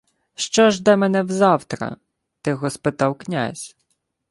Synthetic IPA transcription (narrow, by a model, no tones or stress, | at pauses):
ʃt͡ʃɔʒd̪ɛmɛnɛwzɑwt̪ɾɐ̰ | t̪ɪɣɔspɪt̪ɑwknʲa̰zʲ